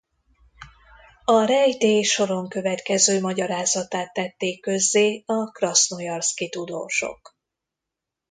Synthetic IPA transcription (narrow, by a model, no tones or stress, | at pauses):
ɒɾɛjt̪eːʃo̞ɾo̞ŋkø̞vɛt̪kɛzøːmɒɟɒɾaːzɒt̪aːt̪ːɛt̪ːeːkːø̞zːeːɒkrɒsnojɒrskit̪ud̪o̰ːʃo̞̰k